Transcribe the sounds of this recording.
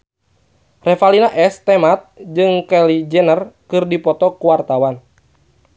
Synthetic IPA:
rɛfalinaʔɛst̪ɛmat̪̚d͡ʒɨŋkɛlid͡ʒɛnərkɨrdipɔt̪ɔkuwart̪awan

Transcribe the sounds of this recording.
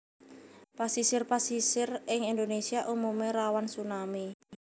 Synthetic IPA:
pasisɪrpasisɪrɪŋind̪onesiaʔumumeɾawansunami

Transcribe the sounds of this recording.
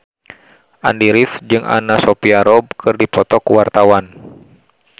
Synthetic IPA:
ʔa̰ndiɾifd͡ʒɨŋʔa̰nasɔpiaɾɔb̚kʰɨrdipɔt̪ɔkuwart̪awan

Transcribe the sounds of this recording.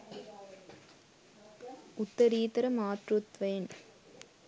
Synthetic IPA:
ʊt̪ːɐɾiːt̪ɐɾɐmaːʈrɯt̪ʋɐjn

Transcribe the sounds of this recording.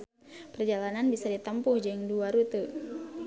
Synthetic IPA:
pərd͡ʒalananbisadit̪əmpʊhd͡ʒɨŋduaɾut̪u

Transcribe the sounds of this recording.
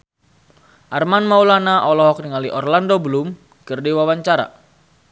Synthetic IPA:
ʔarmanmaulanaʔɔlɔɦɔk̚niŋaliʔɔrlandobəlum | kɨrdiwawaɲt͡ʃaɾa̰

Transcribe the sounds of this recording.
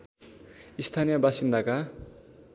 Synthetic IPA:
ist̪ʰanijʌbasind̪ʱaka

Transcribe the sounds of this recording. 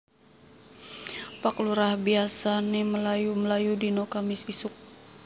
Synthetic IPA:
pakluɾahbiasaniməlajuməlajudinokamɪsisʊk̚

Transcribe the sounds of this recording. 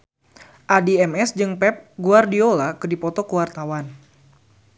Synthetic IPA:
ʔadiɛmɛsd͡ʒɨŋpɛp̚ɡuardiolakɨdipɔt̪ɔkəwart̪awan

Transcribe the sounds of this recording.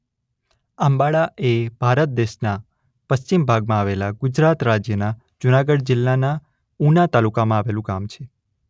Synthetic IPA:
ambaɭaʔeb̥ʱaɾət̪̚d̪eʃna | pəʃt͡ʃimbʱaɡmãaʋelaɡʊd͡ʒɾat̪ɾad͡ʒjəna | d͡ʒʊnaɡəɽd͡ʒɪlːana | unat̪alukamãaʋelũkamt͡ʃʰe

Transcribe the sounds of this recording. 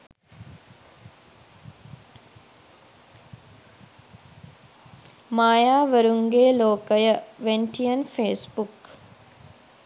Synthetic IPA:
maːjaːʋəɾuŋɡeːloːkəjəʋeɳʈʰijənfeːsbuk

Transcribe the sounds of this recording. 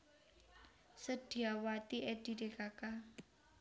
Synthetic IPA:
səɖ̥i̤awat̪iʔɛɖ̥iɾekaka

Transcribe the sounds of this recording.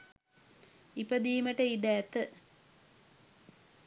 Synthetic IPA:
ipəd̪iːməʈəiɖæːt̪ːə

